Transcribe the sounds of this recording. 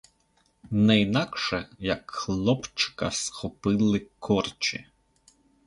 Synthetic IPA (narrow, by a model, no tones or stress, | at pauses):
nɛinɑkʃɛjɐkxlˠɔpt͡ʃɪ̥kɐsxɔpɪlˠɪkʰɔrt͡ʃɪ̰